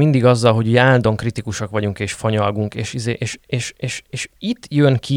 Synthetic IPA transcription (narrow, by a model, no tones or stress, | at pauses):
mind̪iɡɒzːɒlɦo̞ɟyjaːlld̪o̞ŋkrit̪ikuʃɒkʋɒɟuŋkeːʃfɒɲɒlɡuŋkeːʃizeːʔeːʃeːʃeːʃeːʃit̪ːjønkʰi